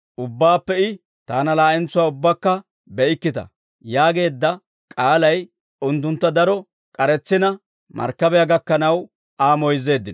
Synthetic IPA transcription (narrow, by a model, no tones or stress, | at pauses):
ʔʊbːaːpːɛɪ | t̪aːnɐlaːɪnt͡sːʊwaːʊbːɐkːɐ | bɛɪkːɪt̪ɐ̰ | jaːɡe̞ːd̪ːɐ | kʼaːlɐj | ʊnt̪̬ːʊnt̪ːɐd̪ɐɾɔ | kʼɐɾɛt͡sːɪnɐ | mɐ̰ɾkːɐbɛjaɡɐkːɐnɐw | aːmɔjze̞ːd̪ːɪn